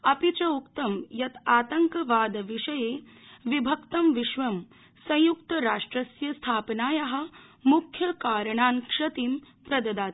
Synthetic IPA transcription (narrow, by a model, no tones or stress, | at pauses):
ɐpit͡ʃɐukt̪ɐmjɐt̪aːt̪ɐŋkɐʋaːd̪ɐʋiʂɐjeː | ʋibʱɐkt̪ɐmʋiʃʋɐm | sɐ̃j̃jukt̪ɐɾaːʂʈɾɐsjɐst̪ʰaːpnaːjɐɦɐ̆mukʰjɐkaːɾɐɳaːnkʂɐt̪im | pɾɐd̪ɐd̪aːt̪